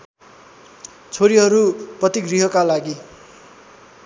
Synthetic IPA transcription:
t͡sʰoɾiɦʌɾuprʌt̪iɡriɦʌkalaɡi

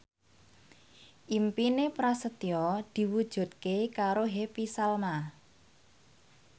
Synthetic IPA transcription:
ʔimpinepɾasət̪iɔd̪̥i̤wud̥ʒ̥ṳt̪̚kekaɾoɦepisalma

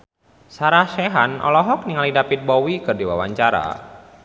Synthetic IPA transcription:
saɾahʃɛɦanɔ̰lɔɦɔk̚niŋalidapit̪̚bɔwikɨrdiwa̰wa̰ɲt͡ʃaɾa̰

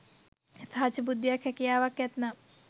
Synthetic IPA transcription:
sɦaːt͡ʃʰibud̪ːjɐkʰjɐkijaːʋɐkjɐt̪nɐ

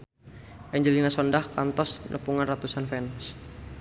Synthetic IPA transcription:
ʔɛɲd͡ʒəlinasɔndahkant̪ɔsnʔə̰puŋanrat̪usanfɛns

